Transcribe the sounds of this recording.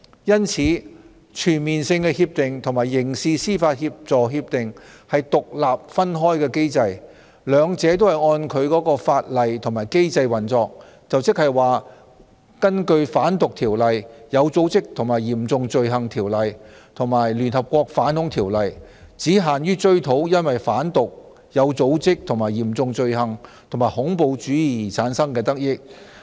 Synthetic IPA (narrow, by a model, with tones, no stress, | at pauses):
jɐ˥nt͡sʰiː˨˥ | t͡ʃʰyː˨˩nmiː˨nsɪ˧ŋkɛː˧hiː˧p̚t̪ɪ˨ŋt̪ʰʊ˨˩maː˨˩jːɪ˨˩ŋsiː˧siː˥faː˧t̚hiː˧p̚t͡sɔː˨ɦiː˧p̚t̪ɪ˨ŋhɐ˨jt̪ʊ˨k̚laː˨p̚fɐ˥nɦɔː˥jkɛː˧ke˥jt͡sɐ˧j | lœː˨˧ŋt͡sɛː˨˥t̪o˥whɐ˨˩jɔː˧nkʰɵ˨˧ɥkɔː˨˥kɔː˧faː˧t̚lɐ˨jt̪ʰŋmaː˨˩jke˥jt͡sɐ˧jwɐ˨˩nt͡sɔː˧k̚ | t͡sɐ˨wt͡sɪ˥k̚hɐ˨jwaː˨ | kɐ˥nkɵ˧ɥfaː˨˥nt̪ʊ˨k̚t̪ʰiː˨˩wlɐ˨jjɐ˨˧wt͡so˨˥wt͡sɪ˥k̚t̪ʰʊ˨˩ŋmaː˨˩jiː˨˩mt͡sʊ˧ŋt͡sɵ˧ɥɦɐ˨ŋt̪ʰiː˨˩wlɐ˨j | t̪ʰʊ˨˩ŋmaː˨˩jlyː˨˩nhɐ˨p̚kʷɔː˧k̚faː˨˥nhʊ˨˥ŋt̪ʰiː˨˩wlɐ˨jt͡siː˨˥ɦaː˨˩njyː˥t͡ʃɵ˥ɥt̪ʰo˨˥wjɐ˥nwɐ˨jfaː˨˥nt̪ʊ˨k̚ | jɐ˨˧wt͡so˨˥wt͡sɪ˥k̚t̪ʰʊ˨˩maː˨˩jiː˨˩mt͡sʊ˧ŋt͡ʃɵ˧ɥɦɐ˨˩ŋt̪ʰo˨˩ŋmaː˨˩hʊ˨˥ŋpo˧wt͡ʃyː˨˥jiː˨˩t͡sʰaː˨˥nsɐ˥ŋkɛː˧t̪ɐ˥k̚jɪ˥k̚